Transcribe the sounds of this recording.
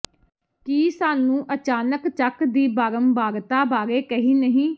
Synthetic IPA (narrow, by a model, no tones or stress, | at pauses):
kiːsaːnũːʔət͡ʃaːnəkt͡ʃəkd̪iːbaːɾəmbaːɡt̪aːbaːɾeːkəɦĩːnəɦĩː